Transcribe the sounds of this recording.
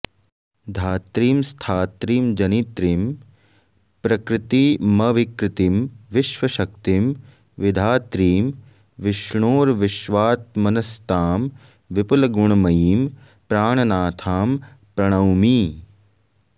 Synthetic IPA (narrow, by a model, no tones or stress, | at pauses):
d̪ʱaːt̪ɾiːmst̪ʰaːt̪ɾiːmd͡ʒɐnit̪ɾim | pɾɐkɾɪt̪iːmɐʋikɾɪt̪imʋɪʃʋɐʃɐk̚t̪im | ʋɪd̪ʱaːt̪ɾiːm | ʋɪʃɳoːɾʋɪʃʋaːt̪̚mɐnɐst̪aːm | ʋɪpulɐɡuɳɐmɐjiːm | pɾaːɳɐnaːt̪ʰaːmpɾɐɳ̃ɐwmiː